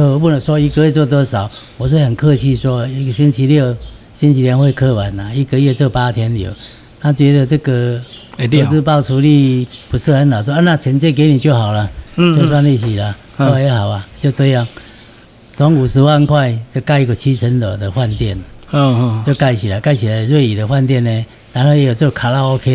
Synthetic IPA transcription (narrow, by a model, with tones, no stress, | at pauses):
o˧˨˦bu˥˧˨nə˨swɔ˦i˧kə˧˦e˥˧t͡swɔ˥˧t̪ɔ˧sa˨˩˦ʊwɔ˨˩sɨ˥˧hə˨˩nkʰə˥˧t͡ɕʰi˥˧˨swɔ˦˨i˦ə˨ɕi˦nt͡ɕʰi˧ljo˥˧˨ʊ | ɕi˦nʰi˧t̪ʰjɛ˧nhwe˥˧ɪkʰə˥˧wa˨˩na˨i˦kə˧˦i˦ə˧t͡so˥˩pa˦t̪ʰjɛ˧˦nljo̰˨˩˦ | na˥˩t͡ɕɥɛ˧˦d̪ə˨t͡sə˥˧ɡə˨to˧˨˩t͡sɹ̩˥˧pa˥˨ʊt͡sʰu˧li˥˧pu˨˦s̩˥˧ə˨˦nla˨˩swɔ˦a˦nã˥˨t͡ɕʰə˨˦nt͡ɕje˥˧˨k̬e˨˦ni˨t͡ɕjo˥˨ʊɦa˨˩ʊla˨jswa˥˧nli˥˧˩ɕ̬i˨la˨ | ɔ˦a˨˧je˨˦ɦa˨˩ʊa˨t͡ɕjo˥˧ʊt͡sə˧˦ja˥˧˨ŋ | t͡sɔ˨˦ŋu˨˩sɹ̩˧˦wa˥˧˨nkʰwa˥˧ɪt͡ɕjo˥˧ʊka˥˧i˦˧kə˨t͡ɕʰi˦t͡sʰə˨˦nlə˨˩d̪ə˨hwa˥˧nt̪jɛ˥˨n˧ | t͡ɕjo˥˧ʊka˥˩ɪɕi˨la˨ka˥˩ɪɕʰi˨la˨˩˨zwe˥˩i˨d̪ə˨hwa˥˧nt̪jɛ˥˧˨nːẽ˨ | na˧˦nho˥˧˨jɛ˨˦jo˨˩t͡ɕjo˥˩kʰa˨˧la˧o˦kʰe˦